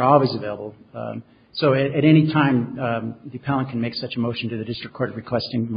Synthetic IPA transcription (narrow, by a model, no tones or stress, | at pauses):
ɔlˠwizɨveɪlˠəbl̩ˠ | soʊɨɾɨɾɛɾ̃itʰãɪ̃mðɨpʰælˠə̃nkʰn̩meɪksʌt͡ʃɨmoʊʃn̩tɨðɨdɪstɹ̥ɨkʰːɔɹɾɹɨkʰw̥ɛstɪ̃ŋm